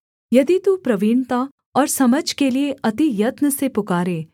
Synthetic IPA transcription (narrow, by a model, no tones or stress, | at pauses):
jɐd̪it̪upɾɐʋiːɳt̪a | ɔːɾsɐməd͡ʒkelieʔɐt̪ijɐt̪nəsepʊkaːɾeː